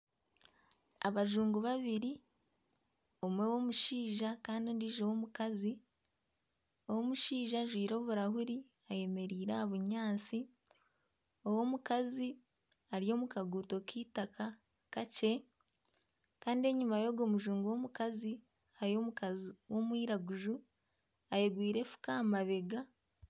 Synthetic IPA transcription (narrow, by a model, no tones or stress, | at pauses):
a̰βaʒuːŋɡuβaβiɾi | o̞mwe̞wo̞muʃiːʒakaːndindiʒewomukazi | owomuʃiːʒaʒwiːɾo̞ːβuɾahuɾi | aje̞me̞ɾiːɾaaβuɲaːt͡si | owo̞ːmukazi | aɾijo̞mukaɡuːto̞kiːtakʰa | kace̞ | kaːndie̞ɲumajo̞ɡo̞ːmuʒuːŋɡuwo̞ːmukazi | aɾio̞ːmukaziwo̞mwiːɾaɡuʒu | ajeɡwiːɾe̞fu̥kamaβe̞ɡa